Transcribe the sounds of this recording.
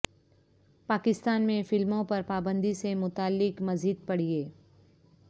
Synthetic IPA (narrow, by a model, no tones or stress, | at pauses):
paːkɪst̪aːnmẽfɪlmõpɐɾpaːbə̃nd̪isemʊt̪aːlːɪkmɐziːd̪̚pɐɽ̤ieː